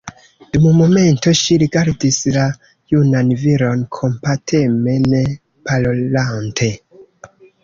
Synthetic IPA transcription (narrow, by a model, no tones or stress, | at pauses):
d̥umumome̞nto̞ʃiɾiɡaɾdisla | junanviɾo̞nkʰo̞mpatʰe̞me̞ne | palolantʰe̞